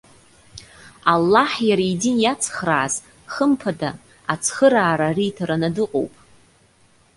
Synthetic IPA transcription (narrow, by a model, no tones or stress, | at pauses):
alːaħjaɾajdinjat͡sʰχraːz | χəmpʰada | at͡sʰχəɾaːɾaritʰaɾanadɨqʼo̰wpʼ